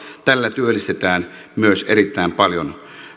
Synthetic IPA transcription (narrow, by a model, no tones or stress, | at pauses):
t̪ælːæt̪yølːˑist̪et̪æːnmyøsʔerit̪ːˑæˑempɑljon